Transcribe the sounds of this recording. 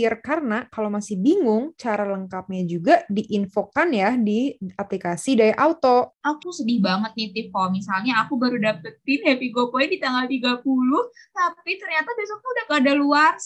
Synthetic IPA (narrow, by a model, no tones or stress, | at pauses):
ɪrkarnakalamasɪhbiŋʊŋt͡ʃaɾaləŋkap̚ɲad͡ʒuɡadiʔinfokanjadiaplikasidaɾiʔawt̪oakusədɪhbaŋət̪̚nit̪ɪfkomisalɲaːkubaɾudapət̪̚ɪnhapiɡopoindit̪aŋɡalt̪iɡapulʊht̪apit̪ərɲat̪abɛsak̚t̪uudahkadaluars